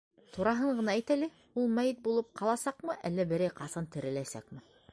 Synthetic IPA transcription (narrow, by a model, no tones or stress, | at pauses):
t̪uɾɑɦɤɴɢɤ̆nɑæjt̪ælɘ | ulˠmæjɘt̪̚bulˠɤp̚qɑlˠɑsɑqmɤʔælːæbɘ̆ɾæjqɑsɑnt̪ɘ̆ɾɘ̆læsæ̰kmɘ